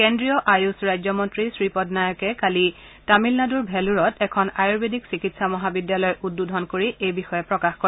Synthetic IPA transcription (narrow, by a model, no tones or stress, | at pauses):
kendɹijɔʔajusɹajzɔmɔntɹisɹipɔdnajɔkɛkali | tamilnaduɹbʱɛluɹɔtɛkʰɔnajuɹbedʱiksikitsamɔɦabidjalɔjʔudːudʱɔnkoɹiejbixɔjɛpɹɔkaxkoɹ